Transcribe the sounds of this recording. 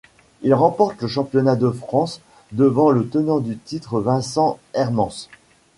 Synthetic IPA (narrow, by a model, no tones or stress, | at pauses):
ilʁɑ̃pɔʁt̪ləʃɑ̃pjɔnad̪əfχɑ̃s | d̪əvɑ̃lət̪ənɑ̃d̪yt̪it̪χəvɛ̃sɑ̃ɛʁmɑ̃s